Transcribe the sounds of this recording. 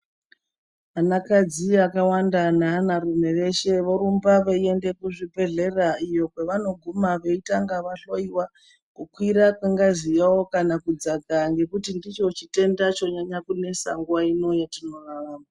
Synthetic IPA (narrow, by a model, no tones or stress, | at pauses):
anakad͡ziakawandananarum̤e̞re̞ʃe̞ʋoɾumbaʋeie̞nde̞kuʐibʱe̞ɮe̞raijo̞kweʋano̞ɡʱumaʋe̞itaŋɡaʋaɬo̞iwa | kukwiɾakwaŋɡazijawokanakud͡zaɡaŋɡe̞kutindit͡ʃot͡ʃite̞ndat͡ʃoɲaɲakune̞sa̰ŋɡuʋaino̞jatino̞raraːma